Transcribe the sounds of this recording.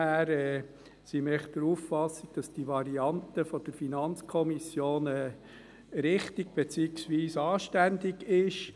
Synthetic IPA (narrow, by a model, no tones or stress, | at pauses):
æːɾɛː | simɛχd̥əɾuːffɑsiɡ̥̚d̥ɑsd̥iʋɑɾiɑnt̪əfɔd̥əɾfinɑnt͡skʰɔmisjoːnɛː | ɾɪχtɪɡ̥̚b̥et͡siksʋiːsɑːʃtændɪɡɪʃ